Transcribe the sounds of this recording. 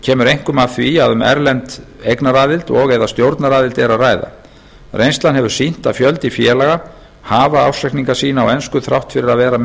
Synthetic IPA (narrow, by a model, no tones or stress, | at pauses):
cʰɛːmʏɾejŋ̥kʏmaθviaðʏmɛ̰ɾlɛnt̪ejknaɾaːðɪlt̪ɔɣɛðast̪jowɾt̪naɾaːðɪlt̪ɛɾaðraːjða̰ | rʔejnsanɦɛvʏɾ̥sin̥t̪afjœlt̪ifjɛːlaɣa | haːvaawsɛjhkniŋkḁsiːnaːɔwɛnskʏθɾa̰wht̪fɪɾɪɾaðvɛːɾa